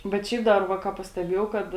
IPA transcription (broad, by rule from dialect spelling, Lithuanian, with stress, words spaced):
bʲɛt ˈʃʲɛɪp ˈdɐr ˈʋɐ ˈkɑː pɐsʲtʲɛˈbʲeːjɛʊ ˈkɐt